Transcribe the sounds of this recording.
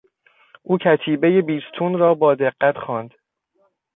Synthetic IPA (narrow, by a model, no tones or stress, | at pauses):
ʔuːcʰæt̪ʰiːbe̞je̞biːst̪ʰunɾɒːbɒːd̪eɢːæt̪ʰxɒːnd̪̥